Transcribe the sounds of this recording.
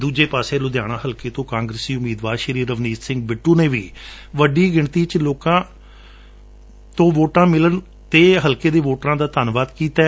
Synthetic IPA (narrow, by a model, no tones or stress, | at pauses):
d̪uːd͡ʒeːpaːseːlʊd̪jaːɽ̃ãːɦəlkeːt̪õːkãːŋɡɾəsiːʊmiːd̪ʋaːɾʃəɾiːɾəʋniːssɪ̃ŋɡ̚bɪʈːuːneːʋiː | ʋəɖiːɡɪɳt̪iːt͡ʃloːkãː | t̪õːʋoːʈãːmɪlən | t̪eːɦəlkeːd̪eːʋoːʈɾãːd̪aːt̪aːnʋaːt̪kiːt̪aː